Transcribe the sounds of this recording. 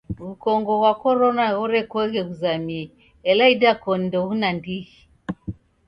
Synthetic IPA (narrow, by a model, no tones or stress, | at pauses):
βukɔŋɡɔɣwakɔɾɔnaɣuɾɛkwɛɣɛɣuzami | ɛlaidakɔndɔɣunandiɣi